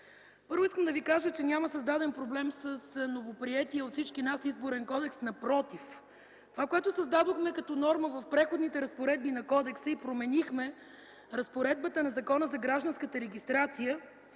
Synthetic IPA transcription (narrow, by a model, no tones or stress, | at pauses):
pɤɾvʊiskəmd̪ɐvikaʒət͡ʃɛnʲaməsəzd̪ad̪ɛnpɾoblɛmsəsnovopɾiɛt̪iəot̪fsit͡ʃkinasizboɾɛnkɔd̪ɛksnɐpɾɔt̪if | t̪ovakojɛt̪ʊsəzd̪ad̪oxmɛkɐt̪ɔnɔɾməvɐfpɾɛxod̪nit̪ɛɾɐspoɾɛd̪̚binɐkɔd̪ɛksəipɾomɛnixmɛ | ɾɐspoɾɛd̪̚bət̪ənɐzɐkɔnəzɐɡɾaʒd̪ɐnskət̪əɾɛɡ̟ʲist̪ɾat̪sijə